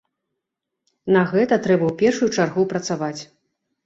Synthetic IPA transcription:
nɐɣɛt̪ɐt̪ɾɛbɐwpʲɛrʂujut͡ʂarɣupɾɐt̪savat͡sʲ

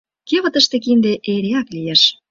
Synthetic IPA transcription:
keβə̆t̪əʃt̪ek̬ind̪eʔeɾeɑklijeʃ

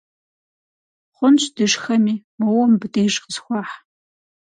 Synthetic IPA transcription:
χʷʊnɕʼd̥ɨʂxɐmiːmɐwɔmbɨdʰejʒqəzxʷɑːħ

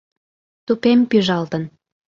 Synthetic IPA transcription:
t̪upempyʒɑlt̪ən

